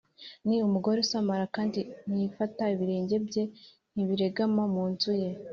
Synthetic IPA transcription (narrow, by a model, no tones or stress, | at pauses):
niumuɡo̞ɾesamaɾakaːndin̥ijifataiβiɾe̞ːɲɟe̞bɟe̞ | n̥iβiɾe̞ɡamomuːnzuje̞